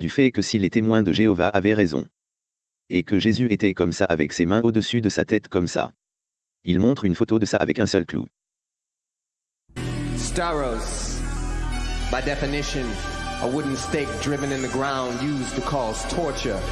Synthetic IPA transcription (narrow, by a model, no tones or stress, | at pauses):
d̪yfɛkəsilet̪emwɛ̃d̪əʒeɔvaʔavɛʁezɔ̰̃ | ekəʒezyet̪ɛkɔmsaavɛ̰ksemɛ̃od̪əsyd̪əsa̰t̪ɛt̪kɔmsa̰ | ilmɔ̃t̪χynfot̪od̪əsaa̰vɛkɛ̃sœlklṵ | stɛɹoʊz | b̥aɪdɛfɨnɪʃɨ̃nʔəwʊdⁿn̩steɪk̚d̥ɹɪvɨ̃nɨ̃nðəɡɹãʊ̃ndjʉztʰəkʰɔz̥tʰɔɹt͡ʃə˞